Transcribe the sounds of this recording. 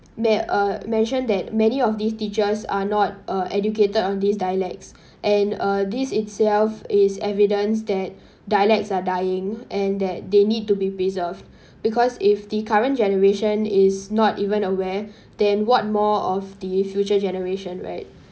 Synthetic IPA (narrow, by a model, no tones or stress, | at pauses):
mɛʌmɛ̃nʃə̃nd̪ɛt̚mɛniɔfdistit͡ʃəsa̰nɔt̚ʌʔɛduketədɔ̃nd̪isdajəlɛk̚ts | ʔɛ̃nʌdisɪtsɛlfɪsɛvidə̃ns̬d̪ɛt̚ | dajəlɛk̚tsadajɪ̃ŋʔɛ̃nd̪ɛt̚denid̚tubipɹizəvd | bikʰɔsɪfd̪ikʰaɹə̃ntd͡ʒɛnəɹeʃə̃nɪsnɔtivə̃nəwɛ | d̥ɛ̃nwɔt̚mɔɔfdifjut͡ʃəd͡ʒɛnəɹeʃə̃nɹa̰ɪt̚